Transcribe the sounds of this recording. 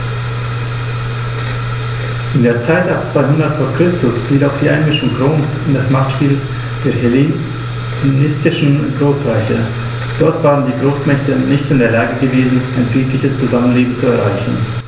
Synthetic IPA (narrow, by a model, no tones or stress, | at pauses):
ʔɪndeːɐt͡saɪtap̚t͡sv̥aɪɦʊndɐtfoːɐkʁ̥ɪstʊsfiːlaʊxd̥iːʔaɪnmɪʃʊŋɡʁoːmsɪndasmaχtʃpiːl | d̥eːɐɦ | nɪstɪʃn̩ɡʁoːsʁaɪçə | d̥ɔɐtv̥aːʁ̞əndiːɡʁoːsmɛçtənɪçtɪndeːɐlaːɡəɡəveːzn̩aɪnɡekʰlɪçəst͡suzamənleːbm̩t͡suɛɐʁa̰ɪçn̩